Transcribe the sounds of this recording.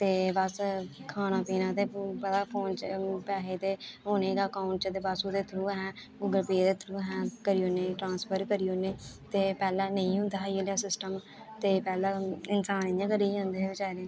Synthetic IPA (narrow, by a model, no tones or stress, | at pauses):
t̪eːbəskʰaːnãːpiːnãːt̪eːpət̪aːpʰõːnt͡ʃpɛːɦeːt̪eːɦoːnẽːɡaːkaːʊ̃ɳʈt͡ʃət̪eːbasuːd̪eːt̪ʰɾuːɦɛ̃ː | ʊɡəɾpiːd̪eːt̪ʰɾuːɦɛ̃ːkəɾiːoːneːʈɾãːnspʰəɾkəɾioːneː | t̪eːpɛːlãːnə̃ĩːɦʊ̃nd̪aːioːlaːsɪsʈəm | t̪eːpɛːlãːɪnsaːniãːkəɾiːõnd̪eːbɪt͡ʃaːɾeː